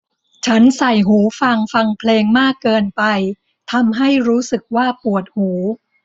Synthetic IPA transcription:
t͡ɕʰa˦˥nsa˨˩jɦuː˩˦fa˧ŋfa˧ŋpʰleː˧ŋmaː˥˩kːɤː˧npa˧j | t̪ʰa˧mɦa˥˩jɾuː˦˥sɯ˨˩k̚waː˥˩pu˨˩ət̪̚huː˩˦

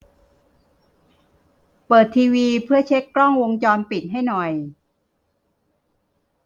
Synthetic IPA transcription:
pɤː˨˩t̪ʰːiː˧wiː˧pʰɯ˥˩ɐət͡ɕʰe˦˥kːɾɔ˥˩ŋwo˧ŋt͡ɕɔː˧npi˨˩t̪̚ɦa˥˩jnɔ˨˩j

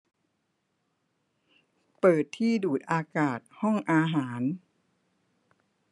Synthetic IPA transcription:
pɤː˨˩t̪ʰːiː˥˩duː˨˩t̪̚ʔaː˧kaː˨˩t̪̚hɔ˥˩ŋʔaː˧ɦaː˩˦n

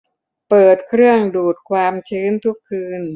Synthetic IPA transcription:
pɤː˨˩t̪̚kʰɾɯ˥˩əŋduː˨˩t̪̚kʰwaː˧mt͡ɕʰɯː˦˥nt̪ʰu˦˥kʰːɯː˧n

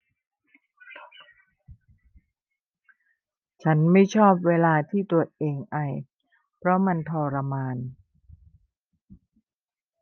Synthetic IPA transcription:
t͡ɕʰa˦˥nma˥˩jt͡ɕʰɔː˥˩p̚weː˧laː˧t̪ʰiː˥˩t̪u˧˩ət̪̚ʔeː˧ŋʔa˧˩j | pʰɾɔ˦˥ma˧nt̪ʰɔː˧ɾa˧maː˧n

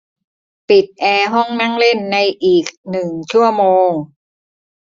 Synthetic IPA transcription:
pi˨˩t̪̚ʔɛː˧ɦɔ˥˩ŋna˥˩ŋle˥˩nːa˧jʔiː˨˩k̚nɯ˨˩ŋt͡ɕʰu˥˩ɐmoː˧ŋ

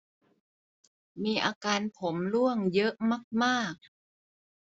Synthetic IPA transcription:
miː˧ʔaː˧kaː˧npʰo˩˦mlu˥˩əŋjɤ˦˥ʔma˥˩k̚maː˥˩k̚

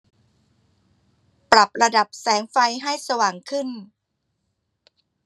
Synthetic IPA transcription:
pɾa˨˩p̚ɾa˧da˨˩p̚sɛː˩˦ŋfa˧jɦa˥˩jsa˧waː˨˩ŋkʰɯ˥˩n

